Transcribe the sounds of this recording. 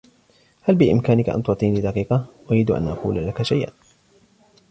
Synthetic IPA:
halbɪʔɪ̰mkaːnɪkaʔa̰nt̪ʊt̪ˤiːnlɪd̪ɑqiːqɑʔʊjɪd̪ʔa̰nʔɑ̰qṵːlalakaʃajʔa̰n

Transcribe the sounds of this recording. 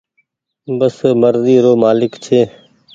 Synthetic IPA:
bəsməɾziːɾoːmaːlɪkt͡ʃʰeː

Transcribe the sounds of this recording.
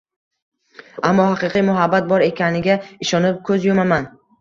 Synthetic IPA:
amːɒhaqɨqʰɨjmʊɦabːat̪̚bɒɾe̞kʲʰanɪɡʲaɪʃɒnɪp̚kʰɵzjomaman

